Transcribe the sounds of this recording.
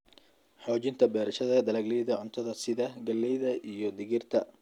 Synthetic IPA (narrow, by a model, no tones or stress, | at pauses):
ħɔːt͡ʃɪnt̪ʰɐbɛːɾɐʃɐðɐd̪ɐlaːɡlɛjðɐʕʊnt̪ʰɐðɐsɪðɐɡɐlːɛjðɐʔijɞd̪ɪɣɪrt̪ʰɐ